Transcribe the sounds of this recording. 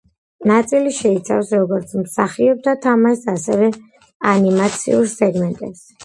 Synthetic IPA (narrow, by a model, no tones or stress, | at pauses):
nat̪sʼiliʃɛit̪sʰafsɾɔɡɔɾt̪sʰmsaχiɔb̚d̪at̪ʰamaʃasɛvɛ | animat̪sʰḭuɾsɛɡmɛnt̪ʼɛ̰ps